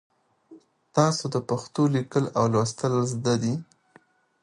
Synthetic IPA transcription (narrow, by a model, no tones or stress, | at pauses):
t̪ɑsod̪əpaxt̪olikəlawlwast̪əlzd̪ad̪i